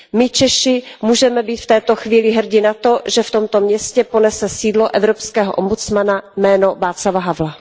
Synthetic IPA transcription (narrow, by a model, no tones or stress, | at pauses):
mɪt͡ʃɛʃɪmuːʒɛmɛbiːt̪ft̪ɛːt̪oxviːlɪɦr̩ɟɪnat̪o̞ʒɛft̪o̞mt̪o̞mɲɛscɛponɛsɛsiːdloʔɛvɾopskɛːɦo̰ʔombut͡smanamɛːno̞vaːt͡slavaɦavla